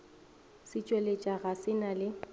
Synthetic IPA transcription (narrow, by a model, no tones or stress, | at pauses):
sɪt͡ʃʼwelet͡ʃʼaɣasɪnalɪ